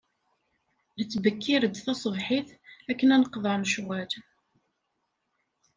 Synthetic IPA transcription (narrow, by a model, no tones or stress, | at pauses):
lət͡sːbəkːiɾəd̪θæsˤəvħiθækːənænəqðˤɑɾnəʃwæl